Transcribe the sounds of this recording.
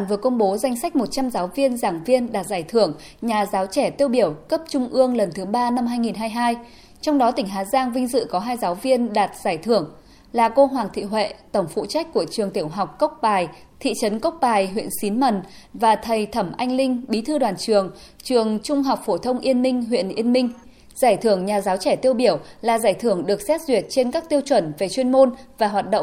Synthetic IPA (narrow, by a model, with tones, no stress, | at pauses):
nvɨ˨˩əkə˧wŋ͡mɓo˨˦za˧jŋ̟sa˦˥k̟̚mo˨˩t̚t͡ɕa˧mzaː˨˦wvi˧ənzaː˧˩ŋvi˧ənɗaː˨˩t̚zaː˧˩jt̪ʰɨ˧˩əŋ | ɲaː˨˩zaː˨˦wt͡ɕɛ˧˩t̪i˧əwɓi˧˩əwkə˦˥p̚t͡ɕʊ˧ŋ͡mʔɨ˧əŋlə˨˩nt̪ʰɨ˨˦ɓaː˧na˧mɦaː˧jŋi˨˩nɦaː˧jɦaː˧j | t͡ɕɔ˧wŋ͡mɗɔ˨˦t̪ï˧˩ŋɦaː˨˦zaː˧ŋvï˧ŋ̟zɨ̰˧˨kɔ˨˦ɦaː˧jzaː˨˦wvi˧ənɗaː˨˩t̚z̥aː˧˩jt̪ʰɨ˧˩əŋ | laː˨˩ko˧ɦwaː˨˩ŋt̪ʰḭ˧˨ɦwḛ˧˨t̪ə˧˩wŋ͡mfṵ˧˨t͡ɕa˦˥k̟̚ku˧˩ət͡ɕɨ˨˩əŋt̪i˧˩əwɦa˨˩wk͡p̚kə˦˥k͡p̚ɓaː˨˩j | t̪ʰḭ˧˨t͡ɕə˨˦nkə˦˥wk͡p̚ɓaː˨˩jɦwḭ˧˨ənsi˨˦nmə˨˩n | vaː˨˩t̪ʰə˨˩jt̪ʰə˧˩mʔa˧jŋ̟lï˧ŋ̟ɓi˨˦t̪ʰɨ˧ɗwaː˨˩nt͡ɕɨ˨˩əŋ | t͡ɕɨ˨˩əŋt͡ɕʊ˧ŋ͡mɦɔ˨˩wk͡p̚fo˧˩t̪ʰə˧wŋ͡mʔi˧ənmï˧ŋ̟ɦwḭ˧˨ənʔi˧ənmï˧ŋ̟ | z̥aː˧˩jt̪ʰɨ˧˩əŋɲaː˨˩zaː˨˦wt͡ɕɛ˧˩t̪i˧əwɓi˧˩əwlaː˨˩zaː˧˩jt̪ʰɨ˧˩əŋɗɨ˨˩ək̚sɛ˦˥t̚zwi˨˩ət̚t͡ɕe˧nkaː˦˥k̚t̪i˧əwt͡ɕwə˧˩nve˨˩t͡ɕwi˧ənmo˧nvaː˨˩ɦwaː˨˩t̚ɗo̰˧˨ŋ͡m